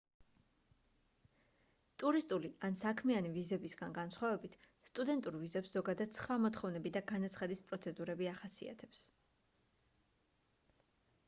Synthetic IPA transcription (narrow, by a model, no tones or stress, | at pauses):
t̪ʼuɾist̪ʼuliansakʰmianivizɛbisɡanɡansχwavɛbit̪ʰ | st̪ʼud̪ɛnt̪ʼuɾvizɛpsz̥ɔɡad̪ad̪̥sχwamɔt̪ʰχɔvnɛbid̪aɡanat̪sʰχad̪ispʼɾɔt̪sʰɛd̪uɾɛbiaχasḭa̰t̪ʰɛps